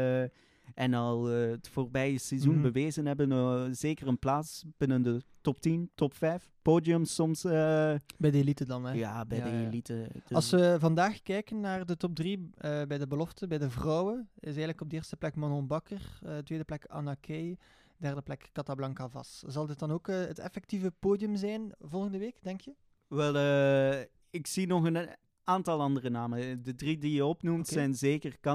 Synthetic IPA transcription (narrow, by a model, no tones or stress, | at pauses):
ɛnɑlˠətfoːrbɛjəsɛzunbəʋeːzənɦɛbənzeːkərənplaːsb̥ɪnəndətɔp̚tintɔpfɛjfpoːdiəmsɔmsəbɛjdəelitədɑnɛjaːbɛjdəelitə̥ɑlˠsʋəvɑndaːxkɛjkənːaːrdətɔp̚driəbɛjdəbəlɔftəbɛjdəvrɔwəɪsɛːɣənləkɔbdəeːrstə̥plɛkmanɔnbɑkərətwʋeːdəplɛka̰nakʰej | dɛrdəplɛkːɑtablɑŋkavɑ̰szɑlˠdɪt̚dɑnoːkəɦətɛ̰fɛk̚tivəpoːdiəmzɛjnvɔlˠɣəndəʋeːkd̥ɛŋkjə | ʋɛlˠə | ɪksinɔxən | aːntɑlˠɑndərənaːməndədridijəɔpnumtsɛjnzeːkərkɑ